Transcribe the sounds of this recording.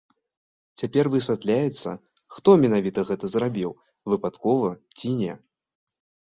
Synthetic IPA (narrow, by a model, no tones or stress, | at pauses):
t͡sʲapʲɛrvɨsʲvʲat̪lʲajɛt̪sːɐ̰ | xt̪ɔmʲɛnavʲit̪ɐɣɛt̪ɐzrabʲiw | vɨpat̪kɔvɐt͡sʲinʲɛ